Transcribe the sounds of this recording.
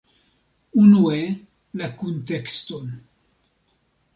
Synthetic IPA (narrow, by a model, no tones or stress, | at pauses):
unue | lakuntekston